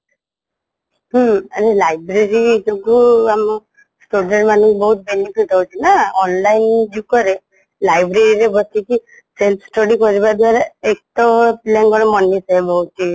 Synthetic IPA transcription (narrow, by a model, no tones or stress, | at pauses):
ɦaɾelajbɾeɾid͡ʒoɡuamɔ | sʈuɖeɳʈmanɔŋkubɔɦut̪̚benipʰiʈɦɔut͡ʃʰinaɔnlajnd͡ʒiukɔɾe | lajbɾeɾiɾebɔt͡ʃʰiki | selsʈɔɖikɔɾibad̪ʱwaɾeek̚tɔplenkɔɾemɔnːiseebɔut͡ʃi